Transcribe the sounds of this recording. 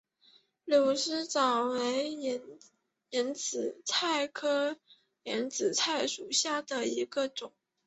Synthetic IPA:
ljo˨˩ʊʂɻ̩˥t͡sɑ˨˩ʊwe˧˥ɪ˧˥ | i˧˥nt͡sɹ̩˨˩t͡sʰa˥˩ɪkʰɤ˥ | ljɛ˧˥nt͡sɹ̩˨˩t͡sʰa˥˩ɪʂu˨˩ɕja˥˩d̪ə˩i˧˥ɡə˧ʈ͡ʂʊ˨˩˦ŋ

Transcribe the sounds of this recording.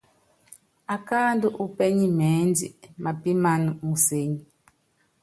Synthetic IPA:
a˨ka˦ndu˦ʔu˦pɛ˦ɲi˦mɛ˨˦nd͡ʒḭ˨ma˨pi˦ma˦nu˨mu˨se˦ɲi˨

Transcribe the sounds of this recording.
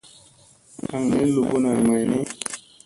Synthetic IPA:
a˨ŋne˨˦lu˨bo˦na˨jma˨jne˦

